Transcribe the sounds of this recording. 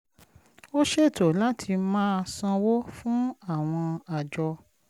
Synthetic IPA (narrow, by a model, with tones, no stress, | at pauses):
o˦ʃe˦˨to˨la˦tʰi˧mãː˦sã˧wo˦fũ˦a˦˨w̃ɔ̃˧a˨d͡ʒɔ˧